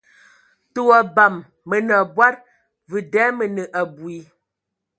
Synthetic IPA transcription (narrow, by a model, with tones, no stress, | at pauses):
to˨a˨ba˨mː | ə˨nə˨bwa˦t̚ | və˨dɛ˨˦mə˨nə˨ʔa˨bwi˨